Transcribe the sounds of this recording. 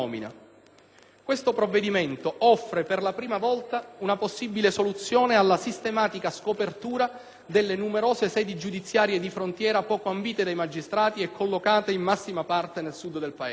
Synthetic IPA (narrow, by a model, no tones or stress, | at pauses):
ɔːmina̰ | kwest̪opɾovːed̪iment̪oʔɔfːɾeperlapɾiːmavɔlt̪aunaposːibilesolut̪sːjoːnealːasist̪emaːt̪ikaskopert̪uːɾa | d̪elːenumeɾoːzesɛːd̪id͡ʒud̪it̪sːjaːɾjed̪ifɾont̪jɛːɾapɔːkoambiːt̪ed̪ajmad͡ʒist̪ɾaːt̪iɛkʰːolːokaːt̪eimːasːimapart̪enelsud̪d̪elpaeː